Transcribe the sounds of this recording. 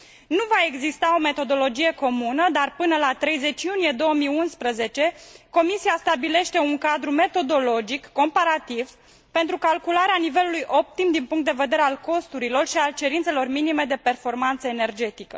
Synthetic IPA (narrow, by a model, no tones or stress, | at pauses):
nuvae̞ɡzist̪ao̞me̞t̪o̞d̪o̞lo̞d͡ʒije̞ko̞munəd̪arpɨnəlat̪ɾe̞jze̞t͡ʃjunije̞d̪o̞wəmiunspɾəze̞t͡ʃe̞ko̞misiast̪abile̞ʃt̪e̞uŋkad̪ɾume̞t̪o̞d̪o̞lo̞d͡ʒikːo̞mpaɾat̪iv̥ | pe̞nt̪ɾukalkulaɾeanive̞lulujʔo̞p̚t̪imd̪inpuŋkt̪d̪e̞ve̞d̪e̞ɾealko̞st̪uɾilo̞rʃialt͡ʃe̞ɾint̪se̞lo̞rminime̞d̪e̞pe̞rfo̞rmant̪səene̞rd͡ʒe̞t̪ikə̰